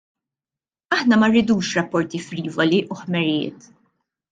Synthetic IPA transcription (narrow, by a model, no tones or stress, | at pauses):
ɐħnɐmɐrːɪd̪uːʃɾɐpːɔɾt̪ifɾiːvɔliʔuħmɛɾjɪ̰ːt̪